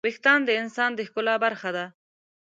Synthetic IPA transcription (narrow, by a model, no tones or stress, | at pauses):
bɪxt̪ɑnd̪əɪnsɑnd̪əxkʊlɑbaɾxad̪a